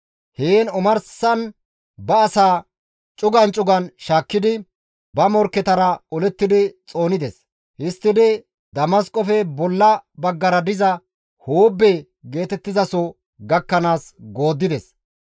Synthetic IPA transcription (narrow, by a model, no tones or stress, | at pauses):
heːnʊmɐɾsɐn | bɐːsaː | t͡ʃʼʊɡɐnt͡ʃʼʊɡɐnʃaːkːɪd̪ɪ | bɐmɔɾkːɛt̪ɐɾɐɔlɛt̪ːɪd̪ɪt͡sʼo̞ːnɪd̪ɛs | hɪst̪ːɪd̪ɪ | d̪ɐmɐskʼɔfɛbɔlːɐbɐɡːɐɾɐd̪ɪzɐ | hoːbːe | ɡe̞ːt̪ɛt̪ːɪzɐsɔ | ɡɐkːɐnaːsɡo̞ːd̪ːɪd̪ɛs